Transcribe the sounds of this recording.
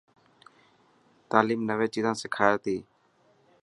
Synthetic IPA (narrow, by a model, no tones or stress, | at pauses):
t̪aːliːmnəʋẽːt͡ʃiːzãːsɪkʰaːjːt̪iː